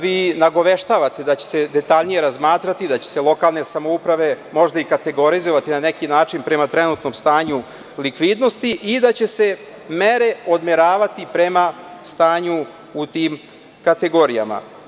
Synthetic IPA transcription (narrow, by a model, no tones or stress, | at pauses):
ʋiːnaɡo̞ʋeʃt̪aːʋat̪ed̪at͡ɕe̥se̞d̪e̞t̪aʎnije̞ɾazmaːt̪ɾat̪id̪at͡ɕe̞̥selˠo̞kaːlˠne̞samoupɾaʋe̞mo̞ʒd̪aikat̪e̞ɡo̞ɾizoʋat̪inanekinaːt͡ʂinpɾe̞mat̪ɾe̞nut̪no̞ːmst̪aːɲu | likʋid̪no̞st̪iʔid̪at͡ɕe̞se̞ | meɾe̞o̞d̪meɾaːʋat̪ipɾe̞mast̪aːɲu | ut̪iːm | kat̪e̞ɡo̞ɾija̰ma̰